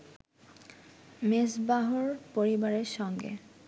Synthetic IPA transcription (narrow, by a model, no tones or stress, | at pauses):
mesbaɦoɾpoɾibaɾeɾʃɔŋɡḛ